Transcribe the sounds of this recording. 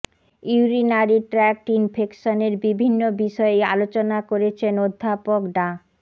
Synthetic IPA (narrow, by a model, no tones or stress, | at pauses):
iuɾinaɾiʈɾɛk̚ʈinpʰekʃoneɾbibʱinːobiʃɔeealot͡ɕonakoɾet͡ɕʰenod̪ʱːapokɖa